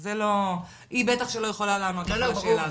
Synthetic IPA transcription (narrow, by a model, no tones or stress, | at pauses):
zelo̞ | ʔibet̪aχʃelo̞jeχo̞lalaːmakaʃeːla